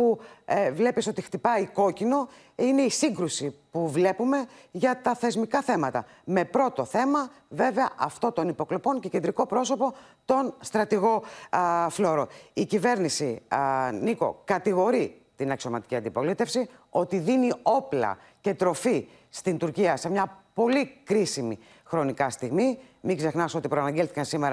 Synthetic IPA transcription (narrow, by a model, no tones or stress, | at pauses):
puvle̞piso̞t̪ixt̪ipɐiko̞cino̞ | ine̞isiŋɡɾusipuvle̞pume̞ʝɐt̪ɐθe̞zmikɐθe̞mɐt̪ɐ̰ | me̞pɾo̞t̪o̞θe̞mɐve̞ve̞ɐʔɐft̪o̞t̪o̞nipo̞klopo̞ɲcece̞nd̪ɾiko̞pɾo̞so̞po̞ | t̪o̞nst̪ɾɐt̪iɣo̞ | flo̞ɾo̞icive̞ɾnisi | niko̞̰kɐt̪iɣo̞ɾi | t̪inɐksio̞mɐt̪i̥ciɐnd̪ipo̞lit̪e̞fsio̞t̪iðinio̞plɐ̰ | ce̞t̪ɾo̞fi | st̪int̪uɾciɐsemɲɐpo̞likɾisimi | xɾo̞nikɐst̪iɣmi | miɡze̞xnɐso̞t̪ipɾoɐnɐɲɟelθi̥kɐnsimeɾɐ